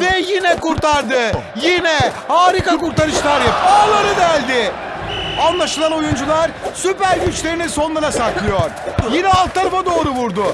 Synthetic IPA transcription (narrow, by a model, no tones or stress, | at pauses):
vɛjinɛkuɾt̪ʰaɾd̪ɯ | jinɛhaːɾikakuɾt̪aɾɯʃlˠaɾjapalˠaɾɯd̪ælʲd̪ɪ | anlˠaʃɯlˠano̞jund͡ʒulˠaɾsypæɾɟyt͡ʃlʲe̞ɾiniso̞nlˠaɾasaklˠɯjo̞ɾ̥jinɛalˠk̪ʰːaɾafad̪o̞ːɾuvuɾd̪ʊ